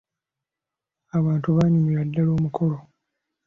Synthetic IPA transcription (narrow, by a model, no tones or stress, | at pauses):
aβaːntuβaːɲumiɾadːalo̞ːmukʰo̞lo